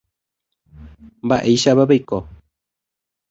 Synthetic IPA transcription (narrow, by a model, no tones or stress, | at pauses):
mbaʔejʃaβaβeiko